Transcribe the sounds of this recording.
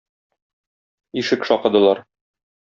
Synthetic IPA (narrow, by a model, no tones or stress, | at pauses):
iʃɘkʃɒqɤ̆d̪ɤ̆lˠɑɾ